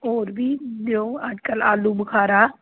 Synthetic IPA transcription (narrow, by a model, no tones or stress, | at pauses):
oːɾbʱiːd̪eõaːd͡ʒkəla̰ːlubəkʰaːɾaː